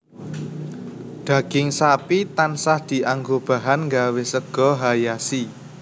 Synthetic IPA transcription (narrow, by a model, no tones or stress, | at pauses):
d̪̥ä̤ɡ̥ɪŋsapit̪ansahd̪̥i̤ʔaŋɡob̥a̤ɦanŋɡawesəɡ̥ɔ̤ɦajasi